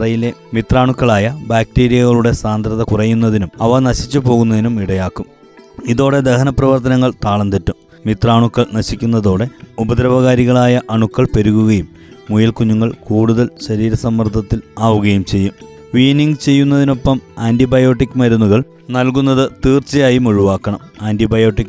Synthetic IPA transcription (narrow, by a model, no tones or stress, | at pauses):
rɐjile̞mit̪raːɳukːɐɭaːjɐbaːk̚ʈeːɾijɐɣɐɭuɽe̞saːnd̪ɾɐðɐkurɐjːunːɐðinumɐʋɐnɐɕit͡ɕːɨpo̞ːɣunːɐðinumiɽɐjaːkːum | iðo̞ːɽe̞d̪ehɐnɐprɐʋɐrt̪ɐnɐŋːɐɭt̪aːɭɐnt̪ɐtːum | mit̪raːɳukːɐɭnɐɕikʲːunːɐðo̞ːɽe̞ubɐd̪ɾɐʋɐɣaːɾiɣɐɭaːjɐʔɐɳukːɐɭpeɾuɣuɣɐjumː | ujɐlkuɲːuŋːɐɭkuːɽuðɐlɕɐɾiːɾɐsɐmːɐrd̪ʱːɐt̪ːilaːʋuɣɐjumt͡ɕe̞jːum | ʋiːniŋɡɨt͡ɕe̞jːunːɐðino̞pːɐmaːndibɐjo̞ːʈːikːmɐɾunːuɣɐɭ | nɐlkunːɐðɨt̪iːrt͡ɕɐjaːjumuɻuʋaːkːɐɳɐmaːndibɐjo̞ːʈːikː